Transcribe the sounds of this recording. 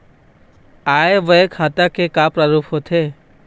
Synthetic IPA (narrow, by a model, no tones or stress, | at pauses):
aeʋəekʰat̪akekapɾaɾupʰɦot̪ʰe